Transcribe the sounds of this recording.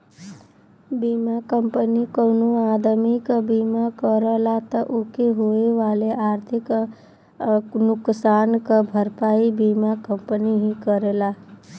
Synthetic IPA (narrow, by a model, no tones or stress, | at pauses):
biːmakəmpənikəwnoaːd̪əmikəbiːmakəɾəlat̪əʔokeɦoeʋaːleʔaːɾt̪ʰɪk | nʊksaːnkabʱəɾpaːibimakəmpəniɦĩkəɾela